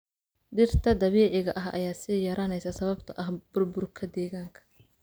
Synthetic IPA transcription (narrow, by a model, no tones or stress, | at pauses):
ɖɪrt̪ʰɐd̪ɐβiːʕɪɣɐʔɐɦɐ̰jaːsɪjɐɾɐnɛjsɐsɐβɐbt̪ʰɐʔɐhb̥ʊrbʊrkʰɐd̪ɛːɣaːŋkʰɐ̥